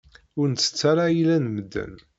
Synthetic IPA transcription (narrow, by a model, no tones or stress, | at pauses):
ʊɾnt͡sːə̥t͡sːaɾajilænməd̪ːə̰n